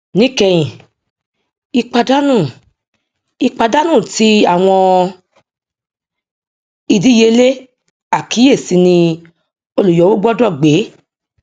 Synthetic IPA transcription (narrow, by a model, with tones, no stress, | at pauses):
nĩ˦kɛ˧j̃ĩ˨ | i˧k͡pa˧da˦nũ˦˨ | i˧k͡pa˧da˦nũ˦˨ti˨˦a˦˨w̃ɔ̃˧ | i˧di˦je˧le˦ | a˨ki˨˦e˦˨si˨˧˦nĩ˧ | o˧lu˨jɔ˨˦wo˦ɡ͡bɔ˦dɔ˦˨ɡ͡be˨˦